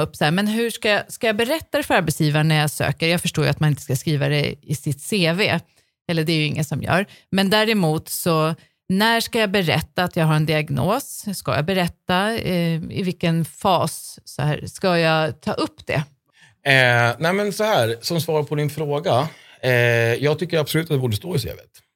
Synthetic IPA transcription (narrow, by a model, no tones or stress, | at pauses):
ɵpːshæːɾmɛnɦɵʂkajɑskajɑːbɛɾɛt̪ːad̪ɛfœɾaɾbɛt̪sjiːvaɳæjɑːsø̰ːkəɾjɑːɡfœʂʈoːjʉat̪manɪnt̪ə̥skaskɾiːvad̪ɛ̰ɪ̰sɪt̪seːvḛː | hɛlːəɖɛæɾjɵɪŋːənsɔmjœ̰ːɾmɛnd̪æɾɛmuːt̪sɔ | næʂkajɑːbɛɾɛ̰t̪ːaːt̪jɑːɡɦaɾɛnd̪ɪaɡnoːsska̰ja̰bɛɾɛt̪ːa | ɪ̰vɪlkːənfɑːssɔ̰hæ̰ːɾskajɑt̪ʰɑ̰ːʔɵpːd̪̥ɛ̰ | næɪmɛnsɔhæːɾsɔmsvɑːɾapʰɔd̪ɪnfɾoːɡa | ɛjɑːɡ̚t̪ʰʏkːəɾab̥sɔlʉt̪at̪ɛbuːɖəst̪oːɪsḛːvḛːt̪